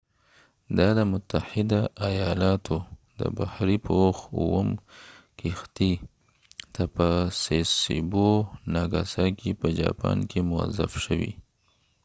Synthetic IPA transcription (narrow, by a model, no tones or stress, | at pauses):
d̪ɑd̪əmʊt̪ːahɪd̪aajɑlɑt̪ʰod̪ə̰bahɾipəwaxuwəmkixt̪i | t̪apəsesḭbonaɡasɑkʰepəd͡ʒɑ̰pɑ̰nkʰemʊa̰za̰fʃəwḭ